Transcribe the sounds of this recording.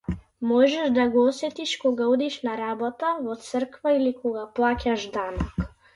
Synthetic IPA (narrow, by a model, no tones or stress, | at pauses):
mɔʒɛʒd̪aɡɔɔsɛt̪iʃkɔɡaud̪iʃnaɾabɔt̪avɔt̪sr̩kvailikɔɡaplˠacaʒd̪anɔk